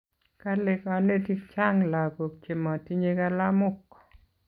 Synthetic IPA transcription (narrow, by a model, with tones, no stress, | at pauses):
ka˦le˨ka˨ne˦ti˦kt͡ʃa˦ŋla˨ɡo˨t͡ʃe˨ma˨ti˦ɲe˦ka˦la˦mʊ˦kːɔ̥˨